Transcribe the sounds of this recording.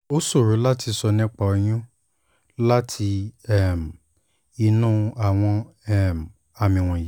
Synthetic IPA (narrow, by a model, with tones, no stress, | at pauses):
o˦so˦˨ɾu˨˦la˦ti˧sɔ˧nĩ˦k͡pa˧o˧˦j̃ũ˦ | la˦tʰi˧ɛ˦˨m˨ | i˧nũ˦a˦˨w̃ɔ̃˧ɛ˦˨m˨ | a˨mĩ˨w̃ɔ̃˨ji˨˦